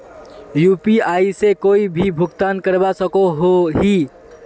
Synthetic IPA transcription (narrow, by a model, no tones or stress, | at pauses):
jupiaːisekoːibʱibʱʊɡt̪ankəɾbasəkoɦoɦi